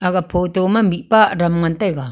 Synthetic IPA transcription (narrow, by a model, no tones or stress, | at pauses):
aɡapʰot̪omambiʔpaʔɾamŋant̪aɡa